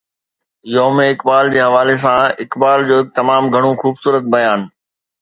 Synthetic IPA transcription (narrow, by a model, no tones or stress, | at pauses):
joːmeɪkbaːld͡ʑeːɦɐʋaːles̬ãɪkbaːld͡ʑoːɦɪk̚t̪ɐmaːmɡʱɐɽ̃õxuːbsuːɾət̪̚bɐjaːn